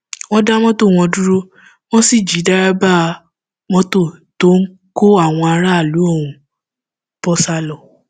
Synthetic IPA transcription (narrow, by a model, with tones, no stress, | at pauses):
wɔ̃˦da˦mɔ̃˦to˦˨w̃ɔ̃˧du˦ɾo˦ | w̃ɔ̃˦si˦˨d͡ʒi˨˦da˦ɾa˦ba˦˧ | mɔ̃˦to˦˨to˦ŋ̩˦ | ko˦a˦˨w̃ɔ̃˧a˧ɾa˦˨lu˨˦õ˦˨ũ˨ | bɔ˦sa˦lɔ˨